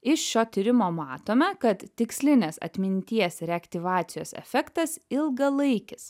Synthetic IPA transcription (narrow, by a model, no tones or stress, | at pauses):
ɪʃʃʲoːt̪ʲiɾʲɪmoːmɑːt̪oːmʲɛkɐt̪t̪ʲɪksʲlʲɪnʲɪsɐ̰t̪ʲmʲɪnʲt̪ʲiɛsɾʲɛɐkt̪ʲɪʋɑːt̪sʲɪjoːsɛ̰fʲɛkt̪ɐsɪlˠɡɐlˠɐɪkʲɪs